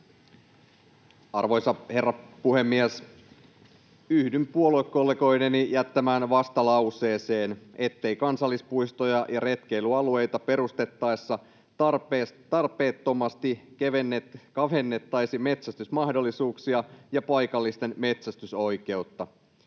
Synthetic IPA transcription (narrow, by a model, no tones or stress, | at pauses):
ɑrʋo̞jsɑhe̞rːɑpuhe̞mːies | yhdympuolokːolːeko̞ine̞nijæt̪ːæmæːnʋɑst̪ɑlɑwse̞ːse̞ːne̞t̪ːe̞ikɑnsɑlːispujst̪o̞jɑjɑɾe̞t̪k̟e̞iluɑlue̞jt̪ɑpe̞ɾust̪e̞t̪ːɑjsːɑ | t̪ɑrpest̪ɑrpˑe̞ːt̪ːo̞mɑst̪ikeʋenːet̪kɑfe̞nːe̞t̪ːɑjsime̞t̪sæst̪ysmɑhdolːisuːksiɑjɑpɑjkɑlːist̪e̞nme̞t̪sæst̪yso̞jke̞ut̪ːɑ